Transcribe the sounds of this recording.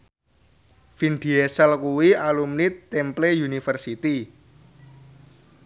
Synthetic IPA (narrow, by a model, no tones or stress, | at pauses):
finɖ̪̥iesɛlkuwialumnit̪ːɛmplejunifərsit̪i